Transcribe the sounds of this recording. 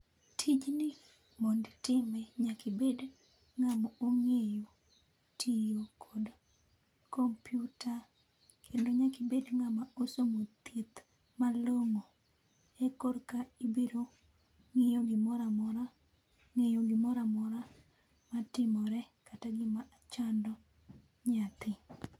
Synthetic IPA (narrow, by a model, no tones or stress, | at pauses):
tʰid͡ʒnɪ | mondtɪmɛɲakɪbed | ŋamɔoŋejo | tʰijokʰod | kompjuta | kʰendoɲakibedŋamaosomot̪it̪ | maloŋo | ekorkaibeɾo | ŋejoɡɪmɔɾamɔɾa | ŋejoɡɪmɔɾamɔɾa | matɪmɔɾɛ | kataɡɪmaʔat͡ʃandɔ | ɲat̪ɪ